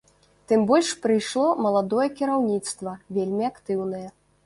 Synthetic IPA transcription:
t̪ɨmbɔlʲʂpɾɨjʂlˠɔmɐlˠad̪ɔjɛkʲiɾawnʲit̪st̪vɐvʲelʲmʲiakt̪ɨwnɐjɛ

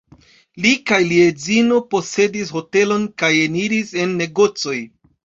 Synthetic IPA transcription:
likajliezino̞po̞se̞disho̞te̞lo̞nkajeniɾise̞nːe̞ɡo̞t͡so̞j

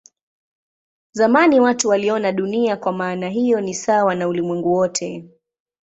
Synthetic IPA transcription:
zamaniwatuwaliɔnaɗuniakwamaːnaɦijɔnisawanaulimwɛŋɡuwɔtʰɛ

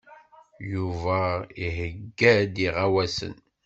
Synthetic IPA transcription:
juvæihəɡːæd̪iʁawæsə̰n

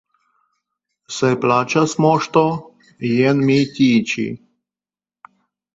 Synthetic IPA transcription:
sɛplat͡ʃasmɔʃt̪ɔ | jɛnmit̪ʲiːt͡ʃḭ

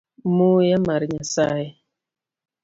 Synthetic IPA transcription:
mujamaɾɲasaji

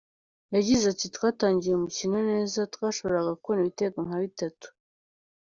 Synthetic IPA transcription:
jaɟizatitwaːtaːɲɟijeumucinone̞ːzatkwaːʃo̞βo̞ɾaɡakwoniβite̞ːkaŋ̥haβitatu̥

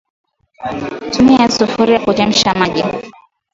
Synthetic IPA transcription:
tumiajasufuɾijakud͡ʒɛm̩ʃamaʄi

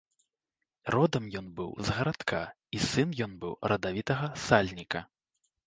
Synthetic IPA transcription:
rɔd̪ɐmjɔnbɨ̰wzɣɐɾat̪kʰa | isɨnjɔnbɨwɾʔɐd̪avʲit̪ɐɣɐsalʲnʲikɐ

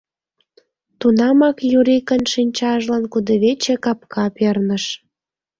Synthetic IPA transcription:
t̪unɑmɑkjuɾikənʃinʲt͡ɕɑʒlɑnkud̪ə̆βet͡ɕekɑp̚kʰɑpernəʃ

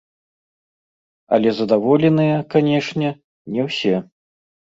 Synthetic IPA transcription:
ɐ̰lʲɛzɐd̪avɔlʲɛnɨjɐkanʲɛʂnʲɛ | nʲɛwsʲɛ

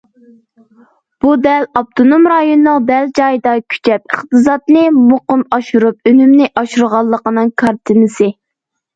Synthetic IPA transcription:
b̥ud̪ɛlɑp̚t̪ʰonomɾɑjonːɨŋd̪ɛld͡ʒɑjɨd̪ɑkʲʰy̥t͡ʃʰɛp̚əχt̪ɨzɑt̪nɨmoqʊmɑʃuɾup̚ønymnɪʔɑʃuɾʁɑlˠːəqənɨŋkʰɑɾt̪ʰɪnɨsɪ

